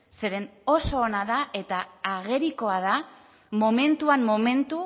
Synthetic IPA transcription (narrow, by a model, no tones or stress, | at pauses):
se̞ɾe̞no̞so̞ːnaðaʔe̞t̪aːɣe̞ɾiko̞aða | mo̞me̞nt̪uamːo̞me̞nt̪u